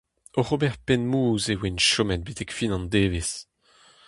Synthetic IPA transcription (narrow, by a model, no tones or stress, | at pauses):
ɔʁobɛʁpɛnmuːzewenʃɔmɛt̪̚bet̪ɛkfinɑ̃nd̪eːves